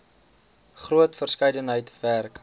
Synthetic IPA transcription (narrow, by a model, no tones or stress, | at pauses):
χruətfərskəjdənɦəjtværk